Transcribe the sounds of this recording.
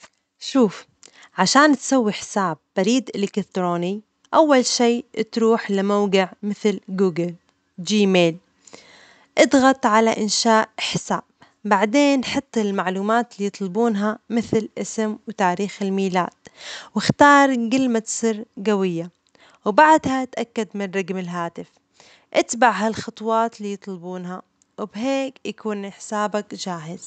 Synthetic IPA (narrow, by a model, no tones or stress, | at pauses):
ʃuːf | ʕaʃaːnt̪sawːiħɪ̥saːbːaɾiːd̪ʔɪlɪkɪt̪ɾoːni | ʔawːalʃiːt̪ɾuːħlɪmawɡɪʕmɪθlɡuːɡɪl | d͡ʒiːmeːl | ʔɑd̪ɣɑt̪ˤʕalaʔɪnʃaːʔħɪsa̰ːb̥ | baʕd̪eːnħɑt̪ˤːalmaʕluːmaːt̪lijɨt̪ˤlɪbuːnɦamɪθlʔɪsɪmwt̪aːɾiːxɪlmiːla̰ːd̪̥̚wɪxt̪ɑːɾˤɡɪlmat̪sˤɨɾːɡawɪjːa | wbaʕd̪hat̪ʔakːad̪mɪnrˤɑɡmɪlɦaːt̪ɪf | ʔɪt̪baʕɦalxɑt̪ˤwɑːt̪liːjɨt̪ˤlbuːnɦa | wɪbɦeːkjakuːnʔɪħsaːbakd͡ʒaːɦɪz̥